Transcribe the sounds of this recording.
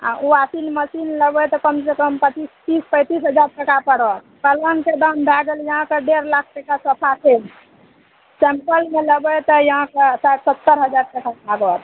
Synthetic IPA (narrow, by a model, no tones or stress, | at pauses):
ã̰uasinməsinləbɛt̪ɔkəmsekəmpət͡ʃist̪ispəjt̪isɦəd͡ʒaɾʈəkapəɾət̪kələnked̪əmd̪ʱaɡəljəɦãkeɖeɾlak̚ʰʈəkasəpʰapʰel | t͡ʃɛmpəlmeləbɛt̪ɔjəɦãkesaʈsət̪ːəɾɦəd͡ʒaɾʈəʈaaɾət̪ʰ